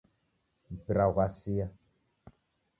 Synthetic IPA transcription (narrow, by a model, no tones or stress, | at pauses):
bɾaɣʷasija